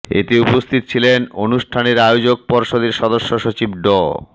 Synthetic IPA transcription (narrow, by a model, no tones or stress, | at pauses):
ḛt̪eupost̪ʰit̪o̥t͡ɕʰilenonuʃʈʰaneɾajod͡ʑok̚pɔɾʃod̪eɾʃɔd̪oʃːoʃot͡ɕib̚ɖɔ